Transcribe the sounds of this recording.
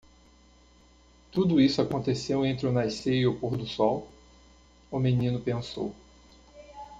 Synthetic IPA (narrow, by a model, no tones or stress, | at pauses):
t̪ud̪ʊisʊakõnt̪esewẽnt̪ɾɪʊnajsejiʊpoɾd̪ʊsɔw | ʊmẽnĩnʊpẽso̰w